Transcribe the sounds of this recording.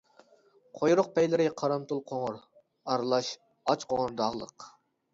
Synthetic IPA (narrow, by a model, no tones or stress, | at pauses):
qʰojɾʊq̚pɛjlɪɾɪqʰɑɾɑmt̪ulˠqʰoŋʊɾ | ɑɾlˠɑʃ | ɑt͡ʃqʰoʁʊɾd̪ɑʁlˠə̰q